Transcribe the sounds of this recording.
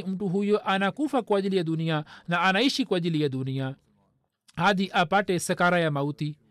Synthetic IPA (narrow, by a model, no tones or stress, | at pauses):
iumʈuɦujoʔanakufakuɐd͡ʒilijɐd̪unijanaːnaiʃikuɐd͡ʒilijɐd̪unija | ad̪iʔapaʈesɐkaɾajamɐwt̪i